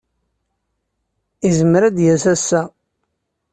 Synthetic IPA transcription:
izəmɾæd̪jæsæsːæ

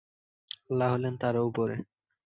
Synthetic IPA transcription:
alːaɦolent̪aɾupoɾe

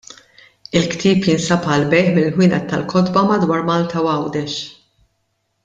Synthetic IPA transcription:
ɪlkt̪iːpjɪnsɐpɐlbɛjħmɪlːħwɪːnʔɛt̪ːɐlkɔt̪bɐmɐd̪wɐːɾmɐːlt̪ɐwɐwd̪ɛʃ

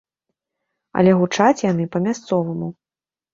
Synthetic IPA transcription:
ɐ̰lʲɛɣut͡ʂat͡sʲjanɨpɐmʲast̪sɔvɐmu

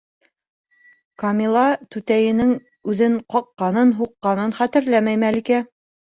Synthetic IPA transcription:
kɐmʲilˠɑt̪ʉt̪æjɘ̆nɘŋ | ʉðɘɴqɒqːɑnɤnɦuqːɑnɤnχæt̪ɘ̆ɾlæmæjmælikæ

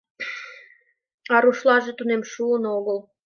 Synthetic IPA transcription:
ɑɾuʃlɑʒet̪unemʃuənoɣəl

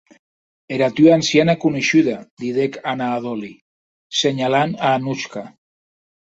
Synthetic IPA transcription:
eɾat̪yansianakuniʃyðad̪iðekanaːðoli | seɲalanaːnut͡ʃka

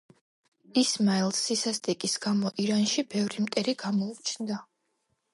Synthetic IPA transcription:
ismailˠsisast̪ʼikʼisɡ̥amɔʔiɾanʃibɛvɾimt̪ʼɛɾiɡamɔut͡ʃʰnd̪a

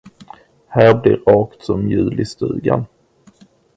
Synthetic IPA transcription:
hæːɾblɪɾɑːkt̪sɔmjʉ̟ːlɪst̪ʉ̟̰ːɡa̰n

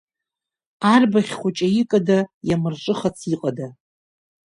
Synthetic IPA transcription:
arbaχʲχʷʊt͡ʃʼaikʼadajamɨrʈ͡ʂʼɨχat͡sʰiqʼada

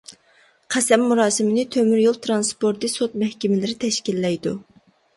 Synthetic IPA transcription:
qʰæsɛmːuɾɑːsɨmɪnɪt̪ʰømyɾjolˠt̪ʰɾɑnspoɾt̪ɨsot̪̚mɛhkʲɛmɪlɪɾɪt̪ʰɛʃkʲilːɛjd̪u

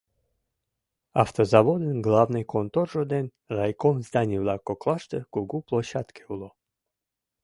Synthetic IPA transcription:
aft̪ozavod̪ənɡlˠavnɨjkont̪orʒod̪en | rajkomzd̪anʲivlˠakoklˠaʂt̪əkuɡuplˠoɕat̪kʰe̥ulˠo

